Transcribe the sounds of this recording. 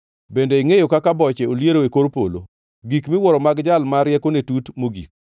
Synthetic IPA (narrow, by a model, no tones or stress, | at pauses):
bendeiŋejokakabɔt͡ʃeoljeɾoekoɾpolo̰ | ɡikmɪwɔɾɔmaɡd͡ʒalmaɾjɛkonetutmoɡḭk̚